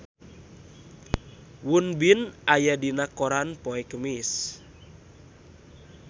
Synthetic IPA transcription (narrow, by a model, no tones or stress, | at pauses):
wunbinajadinakoɾanpɔɛkəmis